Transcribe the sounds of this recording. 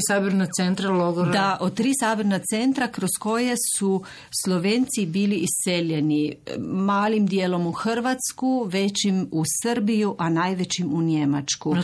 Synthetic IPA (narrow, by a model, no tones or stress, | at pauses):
sabiɾnat̪sent̪ɾaloɡoɾd̪aʔot̪̚t̪ːɾiːsaːbiɾnat̪se̞nt̪ɾakɾosko̞jesu | slˠoʋeːnt̪sibiːliʔisːeljenimaːlimd̪jeːlo̞muxɾʋat̪skuʋet͡ɕimusəɾbijuʔanaːjʋet͡ɕimuɲemat͡ʃku